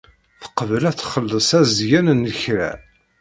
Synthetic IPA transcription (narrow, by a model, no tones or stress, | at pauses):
θə̥qəvəlæθχəlːəsæzʝænənːəçɾæ̰